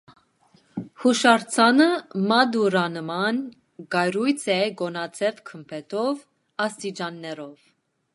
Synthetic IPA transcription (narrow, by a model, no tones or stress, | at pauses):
huʃɑɾt͡sʰɑnəmɑd̪uɾɑnəmɑn | ɡɑjɾujt͡sʰɛɡɔnɑt͡sʰɛvkʰəmpʰɛt̪ʰɔv | ɑst̪it͡ʃɑnːɛɾɔv